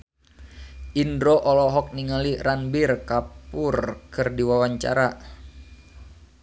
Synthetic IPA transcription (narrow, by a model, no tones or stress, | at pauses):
ʔindɾoʔɔlɔɦɔk̚niŋaliranbirkapʊrkɨrdiwawaɲt͡ʃa̰ɾa